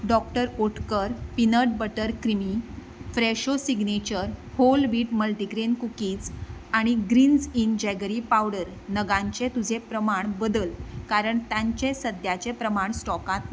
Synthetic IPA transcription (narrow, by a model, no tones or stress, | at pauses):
ɖɔk̚ʈəɾoʈkəɾpinəʈ̚bəʈəɾkɾimi | fɾeɕosiɡnet͡ɕəɾholʋiːʈməlʈiɡɾenkukiːt͡saɽ̃iɡɾiːnd͡zind͡ʑɛɡɾipawɽəɾ | nəɡãɲt͡ɕet̪ud͡ʑʱepɾəmaɳbəd̪əlkaɾəɳt̪jãɲt͡ɕesəd̪jat͡ɕepɾəmaɳsʈɔkãt̪n